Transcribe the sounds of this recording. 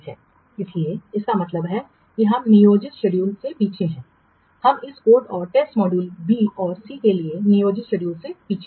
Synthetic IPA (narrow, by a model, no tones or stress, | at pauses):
ɛ̰ː | ɪslieɪskamɐt̪ləbɦɛ | kiɦɐmnɪjoːd͡ʒɪt̪ʃeɖjuːlsepiːt͡ʃʰeɦɛ̃ː | hɐmɪskoːʈɔːɾʈeːsʈmɔːɖuːlbiːɔːɾsikelienijoːd͡ʒɪt̪ʃeɖjuːlsepiːt͡ʃʰe